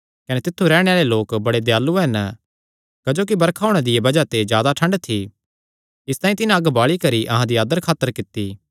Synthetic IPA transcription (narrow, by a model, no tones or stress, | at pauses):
kɐnet̪ɪt̪ʰːuɾɛːɽ̃eaːɭeloːkbɐɽed̪ejaːlːuɦɛn | kɐd͡ʒoːk̬ibɐɾkʰaːʊɽ̃ed̪ɪebɐd͡ʒat̪ed͡ʒjaːd̪aʈʰɐ̃ɳɖt̪ʰi | ɪst̪aːĩt̪ɪnãɐɡbaːɭikɐɾiʔɐɦãd̪iaːd̪əɾkʰaːt̪əɾkɪt̪ːiː